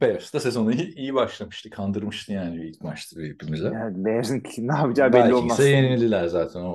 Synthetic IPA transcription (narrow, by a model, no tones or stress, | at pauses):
b̥esd̪asezo̞nuiijibaʃlˠamɯʃt̪ʰɯkʰand̪ɯɾmɯʃt̪ʰɯjaːnibiilʲc̚maʃt̪ʰɯbipʰimizɛabɛzinkʰnabid͡ʒabelæːiolˠmasɛjeninilʲilʲæɾzaːt̪ʰæno